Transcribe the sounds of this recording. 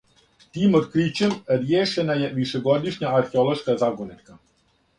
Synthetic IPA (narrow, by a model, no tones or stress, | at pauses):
t̪iːmod̪kɾit͡ɕemɾjeːʃe̞najeʋiʃeɡo̞d̪iʃɲaaɾxeolˠo̞ʃkazaɡonit̪ka